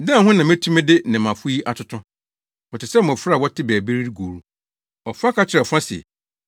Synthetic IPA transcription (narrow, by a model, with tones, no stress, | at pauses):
dã˦˨ɦʊ̃˦nã˨mẽ˦tʰũ˦mɪ̃˦dɪ˦nɪ̃˨mã˨fʊ˦ji˦ʔa˨tʰʊ˦tʰʊ̃˦ | ɔ˨tɪ˨sɛ˦m˨ɔ̃˨fɾa˦˨wɔ˦tʰɪ˦bæː˨be˦ɾi˦ɾi˦ɡoː˨ɾu˦ | ɔ˨fã˦kʰa˦t͡ɕʰɪ˨ɾɛ˨fã˦si˨ɛ̰˨